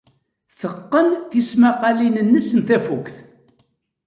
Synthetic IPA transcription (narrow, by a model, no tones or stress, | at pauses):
θəqːənθismæqalinənːəsənt̪æfukʷθ